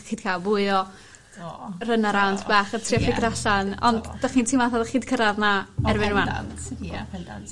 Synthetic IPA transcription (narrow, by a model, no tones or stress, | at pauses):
χiːd̥kʰalˠvʊɨɔ | rənaɾawntʰbaːχətʰriɔfɪɡraɬanɔndd̥aχiːntʰiːmaθaðχiːd̚kʰəɾaðnaɛɾbɪnuman